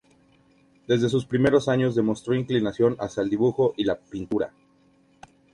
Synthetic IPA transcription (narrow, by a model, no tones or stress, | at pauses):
d̪e̞zðe̞s̬uspɾime̞ɾo̞saɲo̞zðe̞mo̞st̪ɾoĩŋklinasjo̞na̰sjaeld̪iβuxo̞ʔilapint̪uɾa̰